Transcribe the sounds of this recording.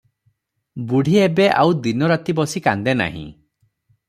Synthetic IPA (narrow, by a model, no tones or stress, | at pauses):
buɽ̤ʱiebeʔawd̪inɔɾat̪ibɔsikand̪ena̰ɦḭ̃